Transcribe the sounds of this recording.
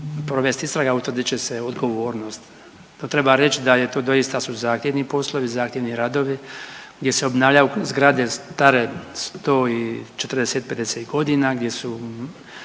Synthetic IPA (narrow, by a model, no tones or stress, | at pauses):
pɾo̞ʋest̪ist̪ɾaɡaut̪vr̩d̪it͡ɕeseod̪ɡo̞ʋo̞ːɾnost̪ | not̪ɾe̞baɾe̞t͡ʃid̪ajet̪o̞ːd̪o̞jist̪asuzaːxt̪jeʋnipo̞slˠo̞ʋizaːxt̪ʲjeʋniɾad̪o̞ʋiɡd̪ʲje̞seo̞bnaːʋʎʲajuzɡɾad̪e̞st̪aɾest̪o̞ːit͡ʃe̞t̪rd̪eset̪̚pe̞d̪eset̪ɡo̞d̪iːnaɡd̪je̞su